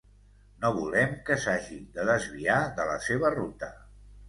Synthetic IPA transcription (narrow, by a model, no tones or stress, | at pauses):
noβulɛmkəsaʒid̪əðəzβiaðələ̰seβ̞ərut̪ə